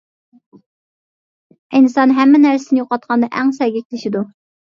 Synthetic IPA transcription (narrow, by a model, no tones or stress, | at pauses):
inɨsɑnɦɛmːɪnæɾsɪnɪjoqɑt̪̚qʰɑnd̪ɑʔæŋsɛɡʲɛkʲʰlɪʃid̪u